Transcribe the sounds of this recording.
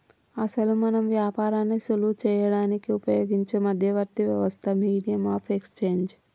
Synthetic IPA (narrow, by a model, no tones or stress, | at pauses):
ɐsɐlumɐnɐmʋjaːpaːɾaːnːisulut͡ʃɛːjɐɽaːnikiupɐjoːɡiɲt͡ʃemɐd̪ʱjɐʋɐɾt̪iʋjɐʋɐst̪ʰɐmiːɽijɐmaːpʰekst͡ʃeːɲd͡ʒ